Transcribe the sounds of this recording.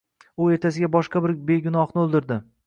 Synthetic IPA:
ʊe̞ɾt̪ʰas̬ɪɡʲabɒʃqɑbɪɾbe̞ɡʊnɒχnɪolˠd̪ɪɾd̪ɪ

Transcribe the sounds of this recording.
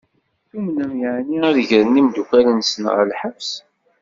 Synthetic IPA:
θumnəmjəʕniæðəʝəɾənimd̪ukælənsənʁə̰lħəvs

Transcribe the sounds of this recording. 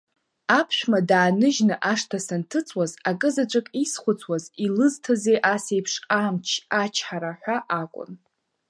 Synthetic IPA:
apʰʃᶣmadaːnɨʒnɨʔaʂtʰasantʰɨt͡sʼwazakʼɨzaʈ͡ʂʷʼakʼisχʷʊt͡sʰwazilɨztʰazejʔase̞jpʰʂamt͡ʃʰat͡ʃʰħaɾaħʷᶣaʔakʷʼʊ̰n

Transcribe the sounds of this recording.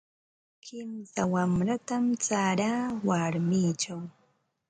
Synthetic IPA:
kʰɪmsawamɾat̪amt͡saɾaːwaɾmiːt͡ʃaw

